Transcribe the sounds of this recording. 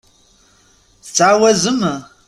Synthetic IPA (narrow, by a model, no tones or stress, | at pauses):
t͡sʰʼaːwɐzɨmɨ